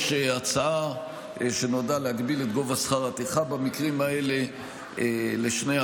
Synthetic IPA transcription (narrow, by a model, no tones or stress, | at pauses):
ʃeat͡saa | ʃenodalehaɡbile̞t̪ɡo̞vasχaʁat̪iχabamikʁimae̞le̞ | leʃnea